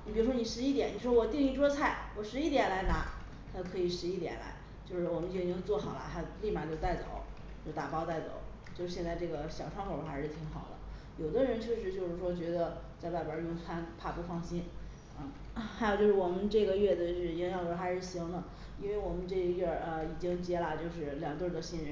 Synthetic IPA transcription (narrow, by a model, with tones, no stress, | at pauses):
ni˨pi˧˩ɻu˥ʂwni˨˩ʂɻ̩˧˥i˥˩jɛ˧˥ni˨˩ʂwɔ˥wɔ˨˩t̪i˥˧ŋi˥˩ʈ͡ʂwɔ˥t͡sʰa˥˩ɪwɔ˨˩ʂɻ̩˧˥i˥˩t̪jɛ˨˩nla˧˥ɪna˧˥ | t̪ʰa˥˧kʰɤ˧˥i˨˩ʂɻ̩˧˥i˥t̪jɛ̰˨˩nla̰˧˥ɪ | t͡ɕjo˥˧ʊʂɻ̩˥˩wɔ˨˩mə˦ni˥˩˧t͡ɕt͡swɔ˥˩xɑ˨˩ʊlɐ̰˦˥xa˧˥li˥˩ma˨˩t͡ɕjo˥˧ʊt̪a˥˩ɪt͡so̰˨˩˦ʊ | t͡ɕjo˥˧ʊʂt̪a̰˨˩pɑ˥ʊt̪a˥˩ɪt͡so̰˨˩˦ʊ | t͡ɕjo˥˧ʊʂɻ̩˧˥ɕjnt͡sa˥˧ɪʈ͡ʂɤ˥˩ɡə˩ɕjɑ˨˩ʊʈ͡ʂʰwŋʰkʰʊ˥xa˧˥ɪʂɻ̩˥˩t̪ʰi˧˥ŋxɑ˨˩ʊd̪ə̰˦jo˨˩ʊd̪ə˦ɻə˧˥nt͡ɕʰjɛ˥˧ʂɻ̩˧˥t͡ɕjo˥˧ʊʂɻ̩˥˩ʂwɔ˥t͡ɕɥɛ˧˥d̪ə˧t͡sa˥˧ɪpa˥˩ɪbə˞˧˥˧ʊ˥˩ŋt͡sʰwa˥npʰa˥˩pu˧˥fɑ˥˩ŋɕi˥n | ə˥˩ | xa˧˥jt͡ɕjo˥˧ʊʂɻ̩˥˩wɔ˨˩mə˦nʈ͡ʂɤ˥˩ɡə˩ɥɛ˥˩d̪ə˩ʂɻ̩˥˩i˧˥ŋjɑ˨˩ʊ˩ə˧˥xa˧˥ɪʂɻ̩˥˩ɕi˧˥ŋd̪ə˨ | i˥nwe˥˩ɪwɔ˨˩mə˦nʈ͡ʂɤ˥˩˧ɥɛ˥˩ə˧i˨˩t͡ɕi˥ŋt͡ɕjɛ˥lə˨t͡ɕjo˥˧ʊʂɻ̩˥˩ljŋɡə˧t̪ə˥˧˩t̪o˧˩ɕi˥˧nɻə˧˥